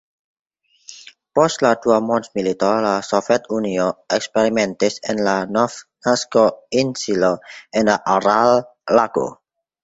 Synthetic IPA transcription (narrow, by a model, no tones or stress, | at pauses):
pɔst̪lad̪uamɔnsmilit̪ɔlasɔfɛt̪unioɛkspɛɾimɛ̃nt̪ɪsɛnlanɔfnaskoinsilɔɛnlaʔaɾalːaɡ̥o̰